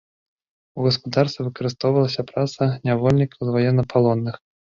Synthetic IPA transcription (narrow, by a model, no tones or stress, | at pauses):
uɣɐspud̪arsʲɛvɨkɐɾɨst̪ɔwvɐlˠɐsʲɐpɾat̪sɐnʲavɔlʲnʲikʰɐwzvajɛnːɐpʰalˠɔnːɨx